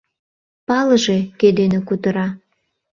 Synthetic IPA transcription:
pɑləʒeked̪enekut̪əɾɑ

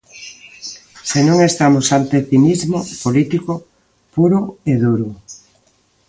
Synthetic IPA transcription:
senõŋest̪amosalp̪eθimizmopolit̪iko | puɾʊeðuɾʊ

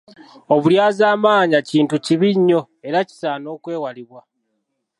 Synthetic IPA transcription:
o̞βuljaːzaːmaːɲaciːntuciβiɲːo̞ | e̞ɾaci̥saːno̞ːkwe̞ːwaliβwa

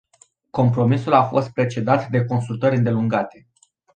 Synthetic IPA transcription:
ko̞mpɾo̞misulafo̞st̪̚pɾe̞t͡ʃe̞d̪at̪d̪e̞ko̞nsult̪əɾʲɨnd̪e̞luŋɡat̪e̞

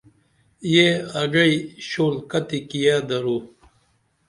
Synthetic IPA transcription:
jeɐɡɐiɕoːlkɐt̪ikijad̪ɐɾu

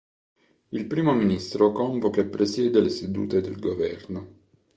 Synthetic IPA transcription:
ilpɾiːmominist̪ɾokɔɱvokepːɾesjɛːd̪elesed̪ṵːt̪ed̪ḛlɡovɛrno

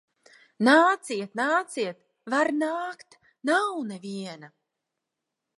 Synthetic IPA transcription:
naːt̪siɛt̪naːt̪siɛt̪ | vaɾnaːkt̪ | nawnavʲiɛna

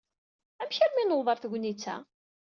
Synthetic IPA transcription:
æmçəɾminoðˤəɾˤθəɡʷnit͡sːæ̰

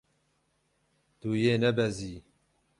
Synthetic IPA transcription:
d̪̥uːjeːnɛbɛziː

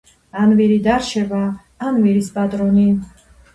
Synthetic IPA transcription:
anviɾid̪aɾt͡ʃʰɛba | anviɾisbat̪ʼɾɔni

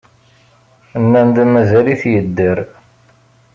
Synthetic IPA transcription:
ənːænd̪mæzæliθjəd̪ːəɾ

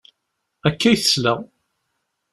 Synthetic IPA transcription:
ækːæjθə̥slæ

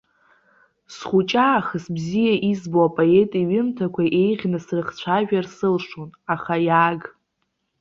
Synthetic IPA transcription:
sχut͡ʃʼaːχəsbzijaʔizboapʼoe̞tʼiɥɪmtʰakʷʰaʔe̞jʁʲnɨsrɨχt͡ɕʷʰaʒᶣarsɨlʂonaχajaːɡ

